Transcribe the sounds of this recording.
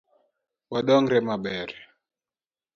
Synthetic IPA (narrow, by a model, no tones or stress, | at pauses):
waɗɔŋɾɛmaɓɛɾɛ